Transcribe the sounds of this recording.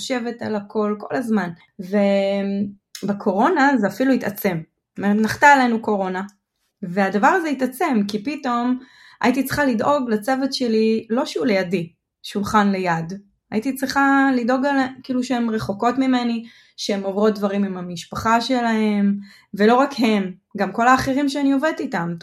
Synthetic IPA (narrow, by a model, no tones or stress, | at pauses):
ʃe̞ve̞talakʰo̞lko̞̰lazman | ve | bekʰo̞ʁo̞nazeafiluit̪at͡se̞m | meetnaχt̪aelenuko̞ʁo̞na | ve̞adavaʁazeit̪at͡se̞mkipito̞m | a̰it̪̬it͡sʁiχalidʔo̞ɡlet͡sevetʃe̞lilo̞ʃeulejadi | ʃulχanle̞jad | ajit̪it͡sʁiχalido̞ɡalkiːluʃeemʁe̞χo̞ko̞tmime̞ni | ʃeemovʁo̞t̚dvaʁimimhamiʃpaχaʃe̞lahe̞m | ve̞lo̞ʁakhe̞mɡamko̞laːχeʁimʃeanio̞vet̪itam